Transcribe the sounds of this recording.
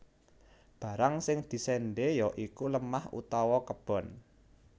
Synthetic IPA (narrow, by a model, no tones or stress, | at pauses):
b̥a̤ɾaŋsɪŋd̪̥i̤sɛnɖejɔʔikuləmahṵt̪awɔkəb̥ɔ̤n